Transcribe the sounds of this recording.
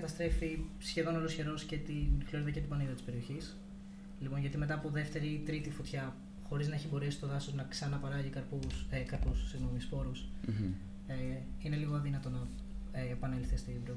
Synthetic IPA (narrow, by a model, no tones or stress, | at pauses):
ɐt̪ɐst̪ɾe̞fisçe̞ðo̞nolo̞sçe̞ɾo̞sce̞t̪infoɾðecet̪ibɐniðɐt̪i̥spe̞ɾio̞çis | lipo̞nʝɐt̪imet̪ɐːpo̞ðe̞ft̪e̞ɾit̪ɾit̪ifot̪çɐ | xo̞ɾiznɐeçibo̞ɾisi̥st̪o̞ðɐsoznɐksɐnɐpɐɾɐʝikɐɾpusekɐɾpusu̥siɣno̞mispo̞ɾus | eine̞liɣoɐðinɐt̪o̞nɐː | pɐnelθist̪ibɾo